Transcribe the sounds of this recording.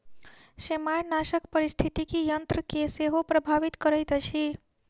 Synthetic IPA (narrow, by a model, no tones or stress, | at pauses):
semajnaʃəkpəɾist̪ʰit̪ikijənt̪ɾəkeseɦopɾəbʱaʋit̪kəɾəjt̪ət͡ʃʰi